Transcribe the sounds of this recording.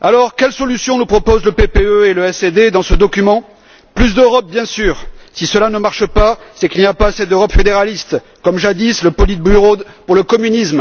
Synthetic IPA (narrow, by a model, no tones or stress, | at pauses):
alɔʁkʲɛlsɔlysjɔ̃nupχɔpozləpepeøeləɛsed̪ed̪ɑ̃səd̪ɔkʲymɑ̃ | plys̬d̪øʁɔp̚bjɛ̃syːʁsisəlanəmaʁʃəpasɛkʲilniapasɛd̪øʁɔpfed̪eʁalist̪ | kɔmʒad̪isləpɔlit̪̚byʁod̪puʁləkɔmynism